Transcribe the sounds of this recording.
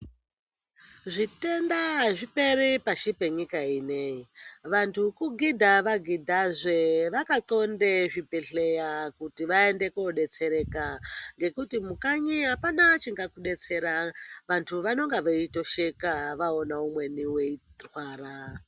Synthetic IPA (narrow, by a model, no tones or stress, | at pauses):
ʐite̞ndaʐipe̞ɾipaʃipe̞ɲikaineiʋantʰukuɡidʱaʋaɡʱidʱaʐʷeʋakat͡so̞ndeʐipeɬejakutiʋae̞nde̞koɗe̞t͡se̞ɾe̞kaŋɡe̞kutimukaɲiɦapanat͡ʃiŋɡakuɗe̞t͡se̞ɾaʋantʰuʋano̞ŋɡeʋeito̞ʃekaʋaonaumwe̞niweirwaːɾa